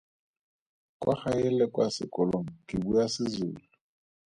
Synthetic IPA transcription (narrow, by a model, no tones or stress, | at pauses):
kʼwaxajɛlɛkʼwasɪ̰kʼɔlɔŋɔkʼɪbujasɪzṵːlu